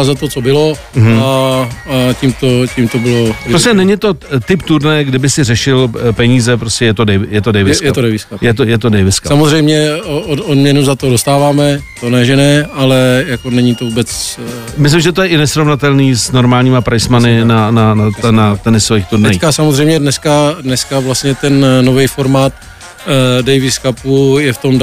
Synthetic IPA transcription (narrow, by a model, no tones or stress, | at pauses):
azat̪ot͡sobɪlo | ɦm̩ | aciːmt̪ocimt̪obɪlopɾoscɛnɛɲɪt̪o̞t̪ɪpt̪uɾnajɛɡdɪbɪsɪrɛʃɪlpɛɲiːzɛpɾoscʲɛjɛt̪o̞dɛjjɛt̪odɛjvɪsjɛat̪odɛjvɪskajɛt̪ojɛt̪̬odɛjvɪskasamozrɛjmɲɛoodmɲɛnuzat̪odost̪aːvaːmɛt̪onɛʒɛnɛːalɛjako̞nɛɲit̪ovubɛt͡s | mɪs̬lɪmʒɛt̪ojɛʔɪnɛsɾo̞vnat̪ɛlniːsno̞ɾmaːlɲiːmapɾʔajsmanɪnananat̪nat̪ɛnɪsovixt̪odnɛajikasamozrɛjmɲɛdnɛskadnɛskavlast̪ɲɛt̪ɛnːovɛjfoɾmaːt̪ | dɛjvɪskapujɛft̪o̞m